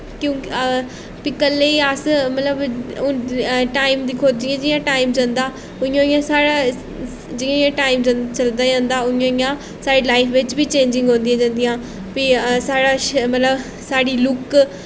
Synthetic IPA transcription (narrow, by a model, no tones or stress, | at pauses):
kjõːk | piːkəlːeːiːəsmət̪ləbʊnʈaːimd̪iːkʰoːt̪̚d͡ʒɪjãːd͡ʒɪjãːʈaːɪmd͡ʒãːnd̪aː | ʊɪjãːɪjãːsaːɽaː | d͡ʒɪjãijãːʈaːɪmd͡ʒt͡ʃəld̪aːd͡ʒãːnd̪aːʊjãijãː | saːɽiːlaːipʰʋɪt͡ʃbiːt͡ʃẽːɲd͡ʒɪ̃ŋɡɦõːnd̪ĩjãːd͡ʒãːnd̪ijãː | piːsaːɽaːʃmət̪ləb | saːɽiːlʊk